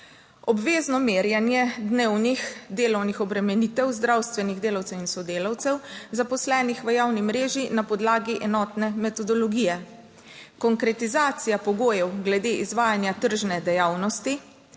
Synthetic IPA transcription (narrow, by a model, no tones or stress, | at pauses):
ɔbʋeːznɔmeːɾjanjɛd̪neːwnixd̪eːlɔwnixɔbɾɛmɛnit̪ɛwzd̪ɾawst̪ʋɛniɣd̪eːlawtsɛwinsɔd̪eːlawt̪sɛwzapɔslɛːnixʋəjawnimɾeːʒinapɔd̪laːɡiʔɛnɔːt̪nɛmɛt̪ɔd̪ɔlɔɡijɛ | kɔŋkɾɛt̪izaːt̪sijapɔɡoːjɛwɡlɛd̪eːʔizʋaːjanjat̪əɾʒnɛd̪ɛjaːwnɔst̪i